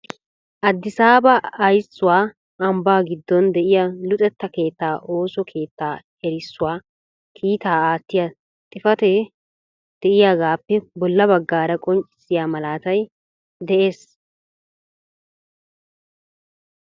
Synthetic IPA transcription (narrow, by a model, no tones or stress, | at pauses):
ʔɐd̪ːɪsaːbɐːjsːʊwaː | ʔɐmbaːɡɪd̪ːɔnd̪ɛʔɪjalʊt̪ʼɛt̪ːɐke̞ːt̪ːaːʔo̞ːsɔkʰe̞ːt̪ːaː | ɛɾɪsːʊwaː | kʰiːt̪aːaːt̪ːɪja | t̪ʼɪfɐt̪ɛ | d̪̥ɛʔɪjaːɡaːpːɛbɔlːɐbɐɡːaːɾɐkʼɔnt͡ʃʼɪ̥sːɪjaːmɐlaːt̪ɐj | d̪ɛʔe̞ːs